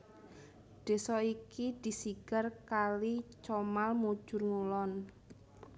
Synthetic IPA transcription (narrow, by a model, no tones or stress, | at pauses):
ɖ̪̥e̤sɔikid̪̥i̤siɡ̥a̤rkalit͡ʃɔmalmud̥ʒ̥ʊ̤rŋulɔn